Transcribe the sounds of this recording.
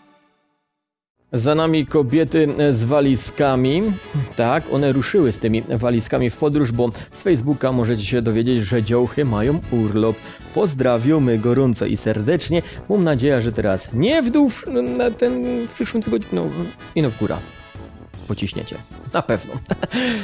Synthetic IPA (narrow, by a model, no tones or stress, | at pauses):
zanamʲikɔbʲjɛt̪ɘzvalʲiskamʲit̪akɔ̰nɛɾuʂɘwɘst̪ɘmʲivalʲiskamʲifpɔd̪ɾuʐbɔsfɛjzbukamɔʐɛt͡ɕɛɕɛd̪ɔvʲjed͡ʑed͡ʑʐɛd͡ʑɔwxɘmajɔ̃w̃uɾlɔpː | ɔzd̪ɾavʲɔwmɘɡɔɾɔnt̪sɔ̰ʔḭsɛɾd̪ɛt͡ʂɲɛmamnad͡ʑejaʐɛt̪ɛɾasɲɛvd̪uw̪at̪ɛnfpʂɘʂwɨmt̪ɪɡɔd̪ɲnɔ̰ | inɔvɡuɾa̰ | pɔt͡ɕiɕɲɛ̰t͡ɕɛ̰napɛvnɔ̰